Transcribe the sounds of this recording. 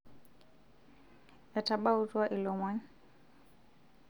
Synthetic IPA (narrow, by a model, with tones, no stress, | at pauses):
ɛ˨ta˨ɓa˦u˦twa˦ʔi˨lɔ˨ma˦ɲ